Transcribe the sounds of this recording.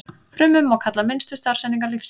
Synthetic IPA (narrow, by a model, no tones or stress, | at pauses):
fɾʏmʏmɔɣkʰat̪lamɪnst̪ʏst̪ar̥sɛniŋkaɾlifs